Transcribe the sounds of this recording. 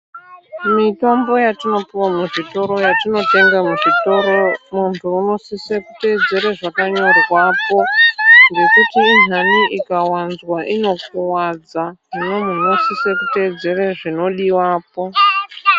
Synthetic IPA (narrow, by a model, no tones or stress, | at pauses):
mito̞mbo̞jatino̞piwamuʐito̞ɾo̞jatino̞te̞ŋɡamuʐitoomuntʰuːno̞sisekute̞ːd͡ze̞ɾeʐakaɲo̞rwaːpo̞rekutiːn̤aniʔikawanzwaʔino̞kuwad͡zaminemuno̞sisekuted͡ze̞reʐino̞ɗiwaːp̚o̞